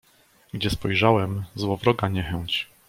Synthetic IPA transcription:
ɡd͡ʑɛspɔjʐawɛmzwɔvɾɔɡaɲɛxɛɲt͡ɕ

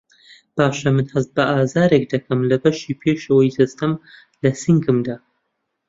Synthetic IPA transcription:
b̥aːʃɐmɨnhɐzt̪̚bɐʔaːzaːɾeːk̚d̪ɐkʰɐmlɐbɐʃiːpʰeːʃɐwɐjsɨst̪ɐm | lɐsɨŋkɨmd̪aː

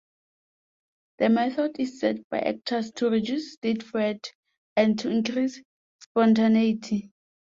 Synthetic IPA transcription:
dəmɛθʰɔdissɛd̚bajʔɛ̰k̚tʰastʰuɹid͡ʒjusːtitfɹɛd | ɛ̃ntʰuĩŋkʰris | spɔ̃ntʰaneitʰi

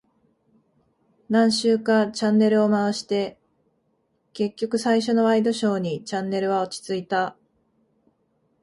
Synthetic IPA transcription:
nãɰ̃ɕɨːkat͡ɕãnːe̞ɾɯ̟o̞maβaɕi̥t̪e̞ | ke̞kʲːo̞kɯ̟saiɕ̬o̞no̞aid̪o̞ɕo̞ːɲ̟it͡ɕãnːe̞ɾɯ̟βao̞t͡ɕi̥t͡sɨit̪a

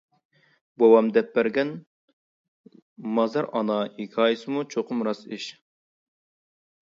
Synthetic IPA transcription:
bɑwɑmd̪ɛp̚bɛɾɡʲɛn | mɑzɑɾɑ̰nɑikʲʰɑːjisɨmut͡ʃʰoqʰʊmɾɑsiʃ

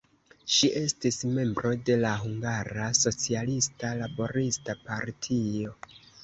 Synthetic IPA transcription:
ʃiʔe̞stisme̞mbɾo̞de̞laɦuŋɡaɾaso̞t͡sialistalabo̞ɾistapaɾtʰio̞

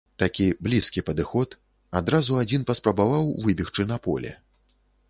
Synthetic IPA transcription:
t̪akʲiblʲiskʲipɐd̪ɨxɔt̪ | ad̪ɾazuad͡zʲinpɐspɾɐbavawvɨbʲixt͡ʂɨnɐpɔ̰lʲɛ̰

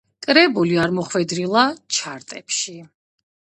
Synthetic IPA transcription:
kʼɾɛbuliaɾmɔχwɛd̪ɾilˠat͡ʃʰaɾt̪ʼɛpʃi

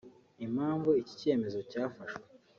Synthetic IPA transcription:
im̥haːɱvuici̥ce̞me̞zo̞caːfaʃwe

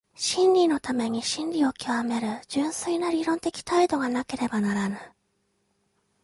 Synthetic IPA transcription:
ɕĩnɾʲino̞t̪ame̞ɲ̟iɕĩnɾʲio̞kʲiβame̞ɾɯ̟d͡ʑɨ̃ɰ̃sɨinaɾiɾõ̞nt̪e̞kʲi̥t̪aid̪o̞ɡanake̞ɾe̞banaɾanɯ

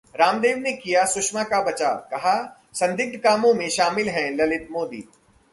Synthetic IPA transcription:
ɾaːmd̪eːʋnekijasʊʃmakabɐt͡ʃa̰ːkɐɦa | sɐ̃nd̪ɪk̚t̪kaːmõmẽʃaːmɪlɦɛ̃lɐlɪt̪moːd̪ḭː

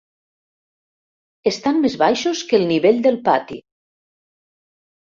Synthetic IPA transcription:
est̪ammezβajʃoskəlˠniβeʎʲd̪əlˠpat̪ḭ

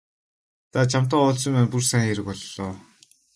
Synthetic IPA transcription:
t̪ʰat͡ɕʰam̥t̪ɔːʊːɮsɞ̆mæːnpursæːŋxeɾɘ̆kpɔɮːɔː

